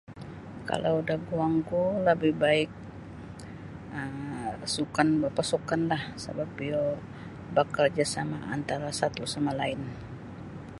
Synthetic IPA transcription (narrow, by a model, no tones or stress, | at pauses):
ka̰lʔawdahɡuaŋkuləbɪhbaɪk̚ | əmsukanbapasukanlahsə̰bap̚ːio | bakard͡ʒasamaʔa̰nt̪aɾasat̪usamalaɪn